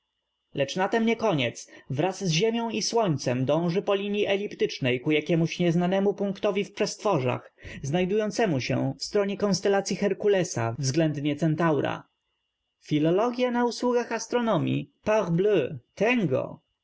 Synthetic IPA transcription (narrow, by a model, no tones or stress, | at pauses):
lɛt͡ʂnat̪ɛmɲɛkɔɲɛt̪svɾazːʑemʲjɔ̃w̃iswɔɲt̪sɛmd̪ɔ̃w̃ʐɘpɔlʲiɲjiʔɛlʲipt̪ɘt͡ʂnɛjkujakʲɛmuɕɲɛznanɛmupuŋkt̪ɔvʲifpʂɛst̪fɔʐa̰xznajd̪ujɔnt̪sɛmuɕɛ̰fst̪ɾɔɲɛkɔnst̪ɛlat̪sʲjixɛɾkulɛsa̰vzɡlɛnd̪ɲɛt̪sɛnt̪awɾa̰ | fʲilɔlɔɡʲjanauswuɡaxast̪ɾɔnɔmʲjḭpaʁbløt̪ɛŋɡɔ̰